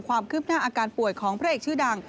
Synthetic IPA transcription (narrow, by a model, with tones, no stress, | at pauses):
kʰwaː˧mkʰɯː˥˩p̚naː˥˩ʔaː˧kaː˧npu˨˩əjkʰɔː˩˦ŋpʰɾa˦˥ʔeː˨˩k̚t͡ɕʰɯː˥˩da˧ŋ